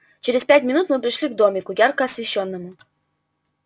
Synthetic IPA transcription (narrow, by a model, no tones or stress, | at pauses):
t͡ɕeɾʲɪspʲætʲmʲɪnut̪mɨpɾʲɪʂlʲiɡ̚d̪omʲɪkʊjarkəɐsvʲɪɕːonːəmʊ